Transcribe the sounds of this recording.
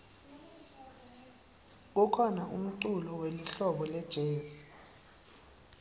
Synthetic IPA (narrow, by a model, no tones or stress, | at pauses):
k̬ɔkʰɔnaʔum̩ǀulɔweliɬɔɓɔlɛd̥ʒ̥ʱeːsi̥